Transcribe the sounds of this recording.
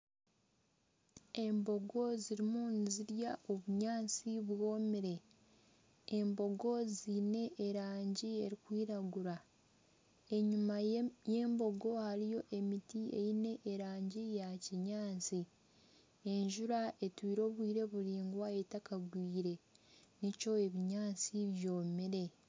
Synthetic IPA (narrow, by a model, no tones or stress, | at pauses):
e̞mbo̞ɡo̞ziɾimuniziɾjao̞βuɲaːnt͡siβwo̞ːmiɾe̞ | mbo̞ɡo̞zine̞ʔːɾaːɲɟie̞ɾikwiːɾaɡuɾa | e̞ɲumaje̞ːmbo̞ɡo̞haɾijo̞ʔe̞mitiḛjine̞ʔːɾaːɲɟijaciɲaːt͡si | e̞ɲʒuɾae̞twiːɾo̞ːβwiːɾe̞βuɾiːŋɡwae̞takaɡwiːɾe̞nico̞eβiɲaːt͡siβjo̞ːmiɾe̞